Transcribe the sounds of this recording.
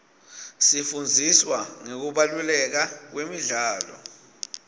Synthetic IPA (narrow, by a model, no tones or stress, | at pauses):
sifund͡zʱiswaŋek̬uɓalulɛk̬ak̬wemiɮaːlɔ̰